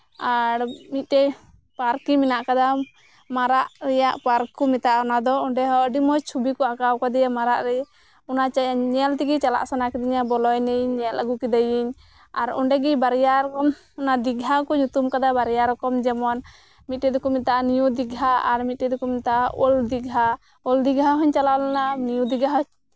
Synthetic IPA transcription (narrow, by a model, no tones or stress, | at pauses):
aɾmit̪̚ˀʈɛ | paɾkiminaʔkad̪a | maɾaʔɾɛjaʔpaɾkɔmit̪aʔɔnad̪ɔɔɳɖɛɦɔɖimɔjt͡ʃʰubikɔakawkad̪ɛjamaɾaʔɾɛ | ɔnaɲɛlt̪iɡit͡ʃala̰ʔsanakɛd̪iɲabɔlɔjnɛjiɲɲɛlaɡukid̪ajiɲ | aɾɔ̰ɳɖɛɡibaɾjaɾkɔm | ɔnad̪iɡɦakɔɲut̪umkad̪abaɾjaɾɔkɔmd͡ʒɛmɔn | mit̪̚ʈɛd̪ɔkɔmit̪aʔanijud̪iɡɦaaɾmit̪̚ʈɛd̪ɔkɔmit̪aʔʔɔld̪iɡɦa | ɔld̪iɡʱaɦɔɲt͡ʃalalananijud̪iɡaɦɔɲ